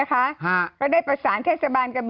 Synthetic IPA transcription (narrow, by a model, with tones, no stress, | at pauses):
kʰa˦˥ʔha˧˥˩kɔː˥˩daː˥˩jpɾa˧saː˩˦nt̪ʰeː˥˩sa˧baː˧nka˧˩b